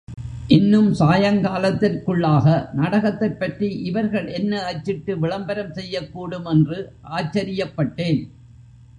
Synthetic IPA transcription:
ʔɪnːɯmsaːjɐŋkaːlɐt̪ːɪrkɯɭːaːɣɐnɐɽɐɣɐt̪ːɐpːɐʈriʔɪʋɐɾɣɐɭʔɛnːɐɐt͡ʃːɪʈːɯʋɪɭɐmbɐɾɐmsɛjːɐkːuːɽɯmɛndrɯʔaːt͡ʃːɐɾɪjɐpːɐʈːeːn

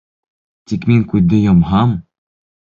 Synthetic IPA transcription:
t̪ʲikmiŋkʉðd̪ɘ̆jɑmɦɑm

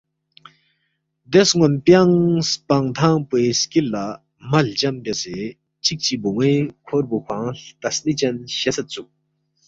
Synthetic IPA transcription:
d̪esŋonpjaŋspaŋt̪ʰaŋpweːskilːa | mɐlt͡ɕampese | t͡ɕʰik̚t͡ɕibuŋekʰorbukʰwaŋt̪ɐsnit͡ɕanɕesʰat͡suk̚

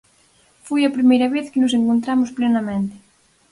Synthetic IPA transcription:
fujɐpɾimejɾɐβeθkɪnʊs̬eŋkont̪ɾamʊsplenɐmẽnt̪ɪ̥

